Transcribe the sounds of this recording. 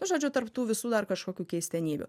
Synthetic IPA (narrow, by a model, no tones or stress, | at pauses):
nʊʒoːd͡ʒʲʊt̪ɐrpt̪uːʋʲɪsuːd̪ɐrkɐʃkoːkʲuːkʲɛɪsʲt̪ʲɛnʲiːbʲʊ̰